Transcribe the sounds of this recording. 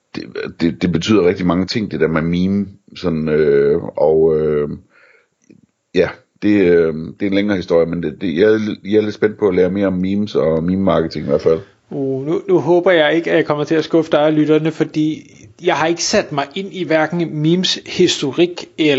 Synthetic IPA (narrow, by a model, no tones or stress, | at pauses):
d̥ed̥e̝d̥e̝b̥e̝t͡sʰy̰ð̰ˠɐʁɛɡ̥̚d̥imɑ̈ŋət͡sʰe̝ŋ̰d̥e̝d̥æɐ̰memiːmsɒ̽nøɒ̽ø | jæ | d̥e̝d̥e̝enleŋɐːhisd̥o̝ɐ̰jəmened̥ejajɑæɐle̝d̥sb̥en̰d̥̚pʰɒ̽æleːɐme̝ːɐɒ̽mːiːmsɒ̽miːmːɑ̈ːɡ̥ət͡sʰe̝ŋiʋæɐ̰̥fæl̰ | ununuɦɔːb̥ɐjɑ̈ɪe̝ɡ̥əæjɑ̈ɪkʰɒ̽m̰ɐt͡sʰe̝æsɡ̥ɔ̽fəd̥ɑ̈ɪælyɾ̥ɐnəfɒ̽d̥ḭː | jɑ̈ɪhɑ̈e̝ɡ̥ə̥sæd̥mɑ̈ɪʔe̝n̰iʋæɐɡ̥n̩miːmshisd̥o̝ʁiɡ̥el